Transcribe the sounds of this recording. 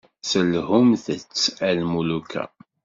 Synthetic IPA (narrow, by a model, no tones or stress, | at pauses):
səlhumθət͡sːælmulukʰæ̰